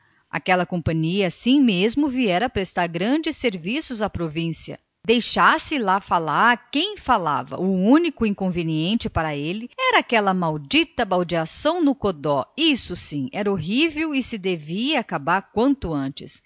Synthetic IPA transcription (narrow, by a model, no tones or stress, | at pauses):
a̰kɛlɐkõpɐ̃ɲiɐasĩmezmʊviɛɾɐpɾest̪aɾɡɾɐ̃d͡ʒɪsːeɾvisʊzapɾovĩsiɐ̰ | d̪ejʃasɪlafalaɾkẽj̃fala̰vɐ̰ʊũnikʊĩŋkõveniẽnt͡ʃɪpaɾɐelɪɛɾɐakɛlɐmawd͡ʒit̪ɐbawd͡ʒiasɐ̃w̃nʊkod̪ɔisʊsĩɛɾɐoɦivewɪsɪd̪eviɐːkabaɾkwɐ̃nt̪ʊɐ̃nt͡ʃɪs